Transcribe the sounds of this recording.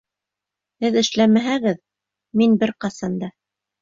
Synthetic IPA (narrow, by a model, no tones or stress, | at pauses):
hɘðɘ̆ʃlæmæɦæɣɘð | minbɘɾqɑsɑnd̪ɑ